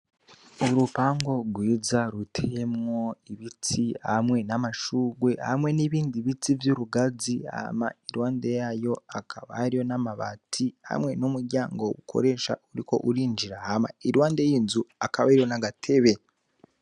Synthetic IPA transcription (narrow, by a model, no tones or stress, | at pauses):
uɾupaːŋɡo̞ɡwiːzaɾutʰejemŋo̞iβit͡siha̰mŋe̞namaʃuːɡwe̞ha̰mŋe̞niβiːndiβit͡sivjuɾuɡaziha̰ma̰iɾwaːnde̞jajo̞akʰaβa̰hɾijo̞namaβa̰tʰiha̰mŋe̞numuɾɟaːŋɡo̞ɡukʰo̞̰ɾe̞ːʃa̰uɾiko̞ʔuɾiːnd͡ʒiɾahama̰iɾwaːnde̞jiːnzuakaβaiɾjo̞naɡatʰe̞βe